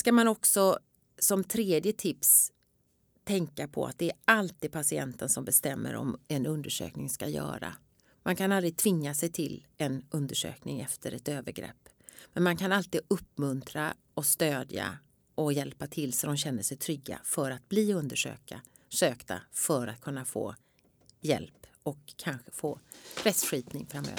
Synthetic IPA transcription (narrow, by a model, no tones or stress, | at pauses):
skamanɔksɔ | sɔmt̪ʰɾeːd̪jət̪ʰɪps | t̪ʰɛŋkapʰɔ̰a̰t̪̚d̪ɛæɾalt̪iːd̪̚pʰasɪɛ̰nt̪ənsɔmbɛst̪ɛmːə̰ɾɔ̰mɛnɵnd̪əʂø̰ːknɪŋskajœ̰ːɾa̰ | mankʰanald̪ɾɪɡ̚t̪ʰvɪŋːasɛjt̪ʰɪlːɛnɵnd̪əʂø̰ːknɪŋɛft̪ʰəɾɛt̪øːvəɾɡɾɛ̰pː | mɛnmankʰanalt̪iːd̪ɵpːmɵnt̪ʰɾa | ɔst̪øːd̪ja̰ | ʔɔjɛlpat̪ʰɪlːsɔd̪ɔmɕɛnːəʂɛjt̪ʰɾʏɡːa̰fœɾat̪̚bliːɵnd̪əʂø̰ːka | ʂøːkt̪a̰fœɾat̪̚kʰɵnːafo̰ː | jɛ̰lp | ɔkʰːanɧə̥foːpʰɾɛsɧiːpnɪŋfɾamːø̰ːv